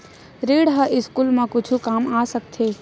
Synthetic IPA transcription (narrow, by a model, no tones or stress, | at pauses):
ɾeːɽɦəʔɪskuːlmãkʊt͡ʃʰukaːmaːsək̚t̪ʰeː